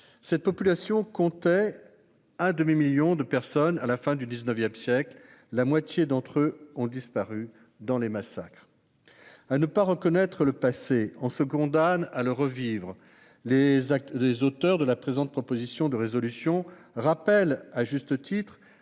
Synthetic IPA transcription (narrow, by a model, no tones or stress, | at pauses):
sɛt̪̚pɔpylasjɔ̃kɔ̃t̪ɛ | ɛ̃d̪əmimiljɔ̃d̪əpɛʁsɔnalafɛ̃d̪yd̪iznəvjɛmsjɛkl | lamwat̪jed̪ɑ̃t̪χøɔ̃d̪ispaʁy | d̪ɑ̃lemasakχ | anəpaʁəkɔnɛt̪χələpaseɑ̃səkɔ̃d̪analəʁəvivʁ | leezot̪œʁd̪əlapχezɑ̃t̪̚pχɔpozisjɔ̃d̪əʁezɔlysjɔ̃ | ʁapɛlaʒyst̪ət̪it̪χ